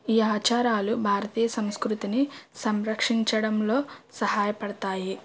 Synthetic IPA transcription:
iːaːt͡ʃaːɾaːlubʱaːɾɐt̪iːjɐsɐmskɾut̪inisɐmɾɐkʂiɲt͡ʃɐɽɐmlo̞ːsɐhaːjɐpɐɽɐt̪aːji

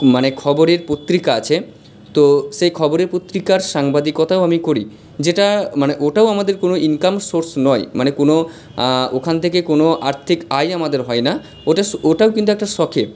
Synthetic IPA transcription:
manekʰɔboɾeɾpot̪ːɾikaat͡ɕʰe | t̪oʃejkʰɔboɾeɾpot̪ːɾikaɾʃaŋbad̪ikɔt̪ʰaoamikoɾi | d͡ʑeʈamaneʔoʈaoamad̪eɾkonoʔiŋkamsoɾsnɔemanekono | okʰant̪ʰekekonoʔaɾt̪ʰikajamad̪eɾɦɔena | oʈaoʈaokint̪uɛk̚ʈaʃɔkʰe

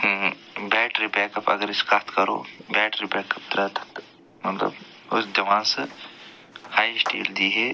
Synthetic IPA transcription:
bɛːʈɾipɛːkɐpɐ̰ɡəɾɪskat̪kɐɾo̰ːbɛːʈɾibɛːkɐp̚d̪ɾaːt̪ʰɐ̥t̪ | mɐt̪lə̰b | ʊsd͡ʒɐʋaːnsə | haːjsʈḛːld̪iːɦɛː

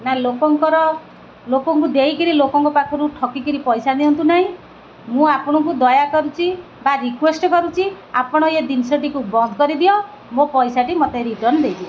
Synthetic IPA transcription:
nalokɔŋkɔɾɔ | lokɔŋkud̪eikiɾilokɔŋkɔpakʰɔɾuʈʰɔkikiɾipɔjsaniɦɔnt̪unaɦĩ | mũapɔɽ̃ɔŋk̬ud̪ɔjakɔɾut͡ʃʰi | baɾikwesʈɔkɔɾut͡ʃʰi | apɔɽ̃ɔed̪insɔʈikubɔnd̪ʱɔkɔɾid̪iɔ | mopɔjsaʈimɔt̪eɾiʈɔɾnd̪ejt͡ʃʰi

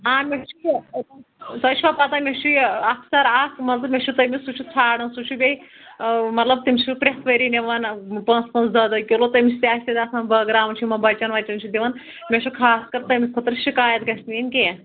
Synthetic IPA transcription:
aːmʲet͡ʃʰu | sɐt͡ʃʰiʋaːpɐt̪aːmʲet͡ʃʰuɐkʰsɐɾakmɐt̪ɐmʲet͡ʃʰut̪ɐmisut͡ʃʰut͡sʰaːɽɐnsut͡ʃʰubʲei | mɐt̪lɐbt̪imʲt͡ʃʰupɾʲet̪ʰʋɐɾiːneʋɐnpɐ̃nt͡spɐ̃nszɐd̪ɐkʲolot̪ɐmʲit͡ʃʰt̪ʲaːʃʰʲt̪ɐd̪ʲɐsãːnbɐːɡɾaːʋt͡ʃʰimɐnbɐt͡ʃɐnʋɐt͡ʃɐnt͡ʃʰud̪iʋɐn | mʲeʃʰukʰaːskɐɾt̪ɐmʲikʰut̪ɾʃikaːjɐt̪ɡɐsʲninkẽ

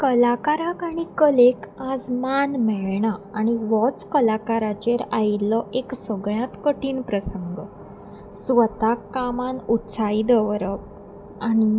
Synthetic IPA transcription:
kəlakaɾakaɽ̃ikəlekad͡zmanmeɭɳaːɽ̃iʋɔt͡skəlakaɾat͡ɕeɾajlɔʔeksəɡɭjãt̪kəʈiːnpɾəsəŋɡ | sʋət̪akːamanut̪said̪əʋɾəp | ani

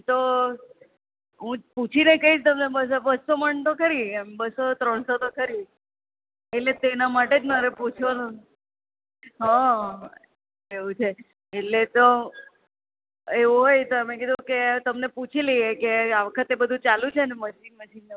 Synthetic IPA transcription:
t̪o | ɦũput͡ʃʰinekəɦit͡ʃʰt̪əmnebəsobəsːoməɳt̪okəɾimbəsot̪ɾəɳsot̪okəɾi | eʈlet̪enamaʈed͡ʒnəɾeput͡ʃʰʋanũ | ɦã | eʋũt͡ʃʰeː | ʈlet̪o | eʋuɦojt̪omẽkid̪ʱũket̪əmneput͡ʃʰiliekeaʋəkʰət̪ebəd̪ʱũt͡ʃalũt͡ʃʰeneməslik̚məʃinː

